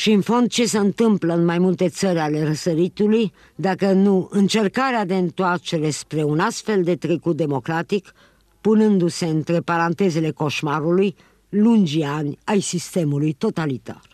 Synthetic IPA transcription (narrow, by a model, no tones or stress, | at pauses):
ʃiɨnfo̞nd̪̚t͡ʃe̞se̞ɨnt̪ɨmpləɨnmajmult̪e̞t̪səɾʲale̞rəsəɾit̪uluj | d̪akənuɨnt͡ʃe̞rkaɾead̪e̞ɨnt̪oat͡ʃe̞ɾe̞spɾe̞unast̪fe̞ld̪e̞t̪ɾe̞kut̪̚d̪e̞mo̞kɾat̪ik | punɨnd̪use̞ɨnt̪ɾe̞paɾant̪e̞ze̞le̞ko̞ʃmaɾuluj | lund͡ʒianʲajsist̪e̞mulujt̪o̞t̪alit̪a̰r